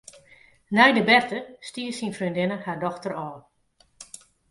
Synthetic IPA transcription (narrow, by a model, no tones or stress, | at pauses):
nɛjdəbɛrtəstiːəsinfryndɪnəhardɔxtərɔːn